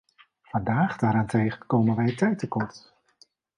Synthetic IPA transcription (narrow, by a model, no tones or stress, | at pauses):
vɑndaːχdaːɾaːntejχənkowmənʋɛjətɛjtəkɔrt